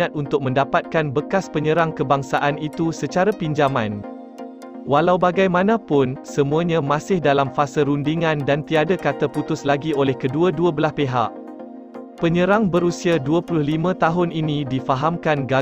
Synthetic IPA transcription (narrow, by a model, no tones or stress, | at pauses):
ãt̪̚unt̪ʊk̚mə̃ndapat̪̚kanbəkaspəɲə̃ɾaŋkəbaŋsaʔanit̪usət͡ʃaɾapiɲd͡ʒaman | walawbaɡajmãnãpʊnsəmũaɲãmãsɪhdalamfasaɾundiŋãndant̪iadakat̪aput̪ʊslaɡiolɛhkəduaduəbəlaspeɦa̰ʔ | pəɲə̃ɾaŋbəɾusiaduapulʊhlimãt̪aɦʊnʔinĩdifaɦamkanɡa